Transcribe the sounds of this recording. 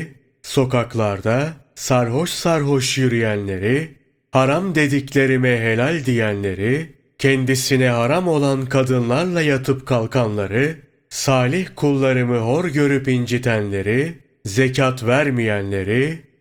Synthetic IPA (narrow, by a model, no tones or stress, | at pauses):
so̞kaklˠaɾd̪asaɾɦo̞ʃsaɾɦo̞ʃjyɾyjænlʲe̞ɾi | haɾamd̪e̞d̪iclʲe̞ɾimɛɦe̞lʲalʲd̪ijænlʲe̞ɾi | cʰɛnd̪isinɛɦaɾamo̞lˠankʰad̪ɯnlˠaɾlˠajat̪ʰɯpkʰalˠkʰanlˠaɾɯ | saːlʲiçkʰulˠːaɾɯmɯɦo̞ɾɟø̞ɾypind͡ʒit̪ʰænlʲe̞ɾi | ze̞cʰat̪væɾmijænlʲe̞ɾi